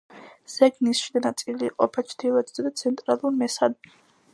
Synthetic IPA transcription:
z̥ɛɡnisʃid̪anat̪sʼiliqʼɔpʰat͡ʃʰd̪ilˠat̪ʰz̥ad̪at̪sʰɛnt̪ʼɾalˠuɾmɛsad̪

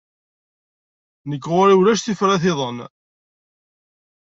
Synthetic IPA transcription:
nəkːʁʊɾiwlæʃθifɾæθɪðˤən

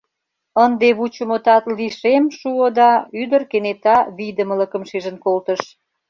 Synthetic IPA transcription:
ənd̪eβut͡ɕə̆mot̪ɑt̪liʃemʃuod̪ɑyd̪ərkenet̪ɑβid̪əmə̆lə̆kə̆mʃiʒə̆nkolt̪əʃ

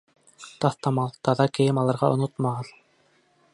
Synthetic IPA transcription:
t̪ɑθt̪ɑmɑlˠt̪ɑðɑkɘ̆jɘmɑlˠɑ̆ɾʁɑʔŏnot̪mɑʁɤð

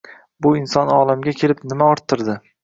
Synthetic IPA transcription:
bʊɪnsɒnɒːlˠamɡʲakʲʰe̞lɪpnɪmaɒɾt̪ʰːɪɾd̪ɪ

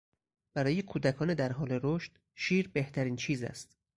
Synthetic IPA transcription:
b̥æɾɒːjekʰuːd̪ækʰɒːned̪æɾɦɒːle̞ɾoʃt̪ | ʃiːɾbe̞ht̪ʰæɾiːnt͡ʃʰiːzæ̰st̪

